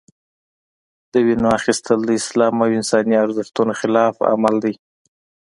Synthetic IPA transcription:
d̪̥əwinoaxist̪ʰəld̪əɪslɑmawɪnsɑniaɾzaft̪unoxɪlɑfa̰mald̪aj

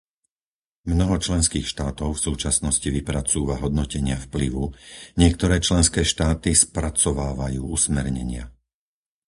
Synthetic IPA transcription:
mnɔɦɔt͡ʃlɛnskiːxʃt̪aːt̪ɔʊfsuːt͡ʃasnɔsciʋipɾat͡suːʋaɦɔd̪nɔcɛɲɪafpliʋuɲɪɛk̚t̪ɔɾɛːt͡ʃlɛnskɛːʃt̪aːt̪ispɾat͡sɔʋaːʋajuːusmɛɾɲɛ̰ɲɪa̰

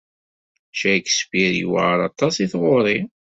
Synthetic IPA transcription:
ʃæksbiɾjṵw̰ʕɾˤɑt̪ˤɑsiθʁoɾˤi

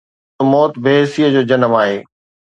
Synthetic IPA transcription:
omɔːt̪beɦsijəd͡ʑoːd͡ʑɐnəmaːɦeː

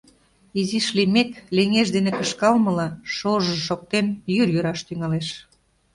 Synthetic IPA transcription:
iziʃlimekleŋeʒd̪enekəʃkɑlməlɑʃoʒɤʃok̚t̪enjyrjyɾɑʃt̪yŋɑleʃ

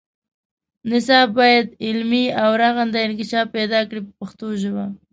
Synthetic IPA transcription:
nɪsɑb̚ːɑjad̪ɪlmiawɾaɣand̪aɪnkɪʃɑfpɛd̪ɑkɽipəpaxt̪oʒawa

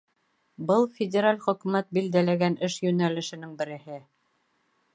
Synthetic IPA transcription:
bɤlˠfʲɪdʲeɾalʲχɵ̆kʉmæt̪̚bild̪ælæɡænɘʃjɵnælɘ̆ʃɘ̆nɘŋbɘ̆ɾɘ̆hɘ

